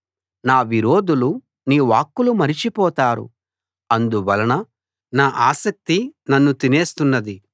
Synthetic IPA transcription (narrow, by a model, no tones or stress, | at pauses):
naːʋiɾo̞ːd̪ulu | niːʋaːkːulumɐɾit͡ʃipɔːt̪aːɾṵ | ɐnd̪uʋɐlɐnɐ | naːʔaːsɐk̚t̪inɐnːut̪ine̞ːst̪unːɐd̪i